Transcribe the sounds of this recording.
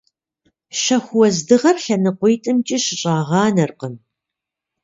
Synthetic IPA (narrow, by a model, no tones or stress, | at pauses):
ʃɐxʷwɔzdɨʁɐrɬɐnɨqʷʊjtʼɨmt͡ʃʼiɕɪɕʼɑːʁɑːnɐrqəm